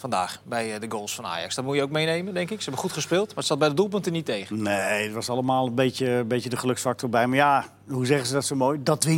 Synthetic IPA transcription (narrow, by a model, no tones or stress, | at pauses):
fɑnda̰ːχbɛjdəɡoːlˠsfɔna̰ːjɑ̰ksdɔtmujəowkmejnejməndɛŋkɪksəɛbəχutχəspɪːlˠtmaətsɑt̚bɛjdədulˠp̬øntənitejχneətʋɔsɑləmaːlˠənbetjəbejtjədəχəlɵksfak̚tʰɔrbɛjmaja | huzɛχəzsədɔtsomojdɔtʋɪ